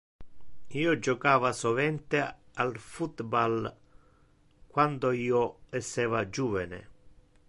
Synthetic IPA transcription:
iːod͡ʒɔkaːvasɔvɛnt̪ealfut̪bal | kwand̪oiːoɛsːɛːvad͡ʒuːvɛnḛ

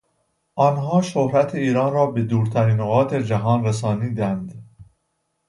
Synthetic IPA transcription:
ʔɒːnɦɒːʃohɾæt̪ʰeiːɾɒːnrɒːbed̪uːɾt̪ʰæɾiːnoɣɒːt̪ʰe̞d͡ʒæɦɒːnɾes̬ɒːniːd̪ænd̪

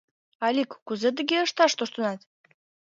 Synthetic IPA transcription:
ɑlʲikːuzet̪̬ə̆ɡeəʃt̪ɑʃt̪oʃt̪ɤ̆nɑt̪

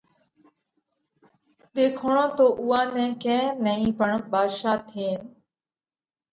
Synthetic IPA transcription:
ɗ̪eːkʰoɳõːt̪oːʔʊːãːnɛ̃ːkɛ̃ːnəĩːpəɳɓaːʃaːt̪ʰeːn

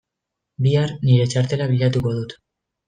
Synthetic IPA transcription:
biarniɾe̞t͡ʃaɾt̪e̞laβ̞iʎat̪uko̞ðut̪

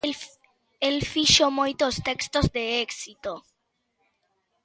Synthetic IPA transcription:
elfiʃomojt̪ost̪ekst̪ozd̪eeksit̪o

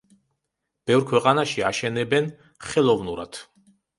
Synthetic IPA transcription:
b̥ɛvɾkʰwɛqʼanaʃiaʃɛnɛbɛn | χɛlˠɔvnuɾat̪ʰ

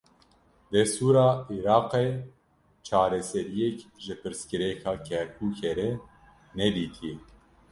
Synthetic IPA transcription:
d̪ɛst̪uːɾɑːiɾɑːqe | t͡ʃʰɑːɾɛsɛɾijɛkʒɨpɨɾskɨɾɛkʰɑːkʰɛɾkʰuːkʰeɾɛ | nɛd̪iːt̪ʰi

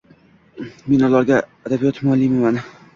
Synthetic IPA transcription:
me̞nɒlaɾɡʲaad̪abijɒt̪mʊalːijmɪman

